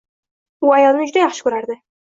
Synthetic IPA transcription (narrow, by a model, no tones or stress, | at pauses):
ʊajɒlˠnɪd͡ʒʊd̪ajɑχʃɪ̥kʊɾaɾd̪ɪ